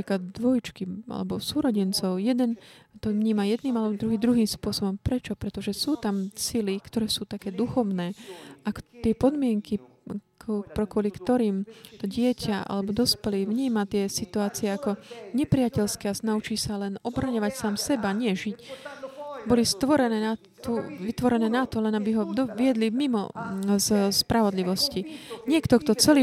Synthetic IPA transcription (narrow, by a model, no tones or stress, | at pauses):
apɾiːklad̪̚d̪ʋɔjt͡ʃkiʔa̰lɛ̰bɔsuːɾɔɟɛnt͡sɔʊjɛd̪ɛnt̪ɔvɲiːmajɛd̪niːmalɛbɔd̪ɾuɦiːd̪ɾuɦiːmspʊɔsɔbɔmpɾɛt͡ʃɔpɾɛt̪ɔʒɛsuːt̪amsilikt̪ɔɾɛːsuːt̪akɛːd̪uxɔʊnɛːakt̪ɪɛpɔd̪mɪɛŋkikpɾɛkʊɔlikt̪ɔɾiːmt̪ɔɟɪɛcʰaa̰lɛbɔd̪ɔspɛliʋɲiːmat̪ɪɛsit̪uaːt͡siɛakɔɲɛpɾijacɛlskɛaznaut͡ʃiːsalɛnɔbɾaɲɔʋacsaːmsɛbaɲɪɛʒic | bɔlist̪ʋɔɾɛnɛa | uʋit̪ʋɔɾɛnɛːnat̪ɔlɛnabiɦɔd̪ɔʋɪɛd̪limimɔ̰zspɾaʋɔd̪liʋɔsciɲɪɛkt̪ɔkt̪ɔt͡sɛliː